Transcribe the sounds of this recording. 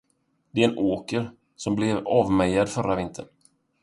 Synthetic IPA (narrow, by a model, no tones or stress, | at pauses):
d̪̥ɛɛɛnʔoːkəɾ | sɔmblɛvɑːvmɛjad̪fœɾavɪnt̪ʰə̰ɳ